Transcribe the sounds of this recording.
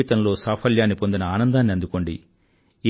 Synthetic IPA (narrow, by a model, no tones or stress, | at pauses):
it̪ɐmlo̞ːsaːpʰɐljaːnːipo̞nd̪inɐaːnɐnd̪aːnːiɐnd̪uko̞ɳɖi